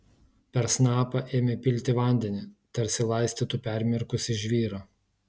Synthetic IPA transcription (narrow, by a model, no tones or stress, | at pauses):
pʲɛɾsnɑːpɐʔeːmʲepʲɪlʲt̪ʲɪʋɐˑnʲd̪ʲɛnʲɪt̪ɐɾʲsʲɪlˠɐɪsʲt̪ʲiːt̪upʲɛˑɾʲmʲɛɾkʊsʲɪʒʲʋʲiːɾɐː